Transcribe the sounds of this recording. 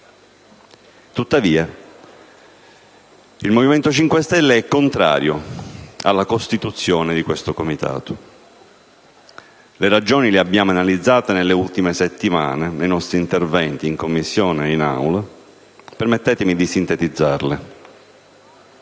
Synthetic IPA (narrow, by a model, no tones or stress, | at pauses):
t̪ut̪ːaviːa | ilmoviment̪ot͡ʃiŋkwest̪ɛlːeɛkːont̪ɾa̰ːɾjo | a̰lːakost̪it̪ut̪sːjɔːned̪ikwest̪okomit̪ʰa̰ːt̪o | leɾad͡ʒɔːnileabːjaːmoanalid̪zːaːt̪enelːeult̪imeset̪ːima̰ːnenejnɔst̪ɾiːnt̪ervɛnt̪iːŋkomːisːjɔːneina̰wla | permet̪ːɛːt̪emid̪isint̪et̪id̪zːarle